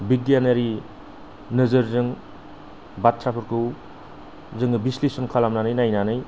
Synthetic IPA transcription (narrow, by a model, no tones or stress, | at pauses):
biɡ̚dijanaɾi | nɯzɯɾzɯŋ | bat̚sʰapʰɯɾkʰɯw | zɯŋɯbislisɔnkʰalamnanɯjnajnanɯj